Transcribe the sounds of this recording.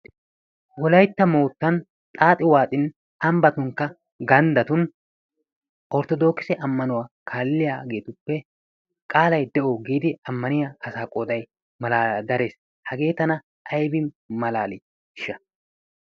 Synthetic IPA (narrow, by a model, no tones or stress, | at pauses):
wɔlɐjt̪ːɐmoːt̪ːɐn | t̪ʼaːt̪ʼːɪwaːt̪ʼɪn | ɐmbɐt̪ʊŋkːɐ | ɡɐnd̪ɐt̪ʊn | ʔɔɾt̪ɔd̪o̞ːkːɪsɛʔɐmːɐnʊwakʰaːlːɪjaːɡe̞ːt̪ʊpːɛ | kʼaːlɐjd̪ɛʔoːɡiːd̪ɪɐmːɐnɪjaɐsaːkʼod̪ɐj | mɐlaːd̪ɐɾe̞ːs | hɐɡe̞ːt̪ɐnɐ | ʔɐjbɪ | mɐlaːlɪ | ʃɐ